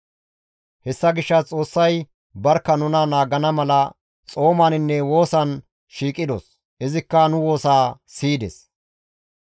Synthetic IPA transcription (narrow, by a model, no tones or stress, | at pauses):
hɛsːɐɡɪʃːɐt͡sʼo̞ːsːɐj | bɐɾkːɐnʊnɐnaːɡɐnɐmɐlɐ | t͡sʼo̞ːmanɪnːɛwo̞ːsɐn | ʃiːkʼɪd̪o̰ːs | ʔɪzɪkːɐnʊwo̞ːsaːsiːd̪ɛ̰s